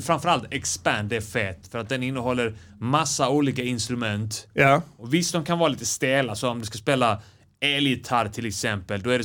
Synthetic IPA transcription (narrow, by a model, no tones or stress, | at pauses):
fɾanfœɾalt̪ɛkspæɳɖæɾfɛt̪ːfœɾat̪̚d̪ɛnɪnːəɦɔlːəɾ | masːauːliːkaɪnst̪ɾɵmɛnt̪jɔvɪst̪ːd̪ɔmkʰanvɑːɾaliːt̪əst̪eːlasɔɔmd̪ɵskaspeːla | ɛljɪt̪ʰaɾt̪ʰɪlɛksɛmpəld̪ɔæɖɛ